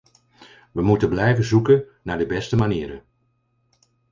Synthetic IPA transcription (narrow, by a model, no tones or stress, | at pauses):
ʋəmutəblɛjvəzukən | naːɹdəbɛstəmaniːɾə̰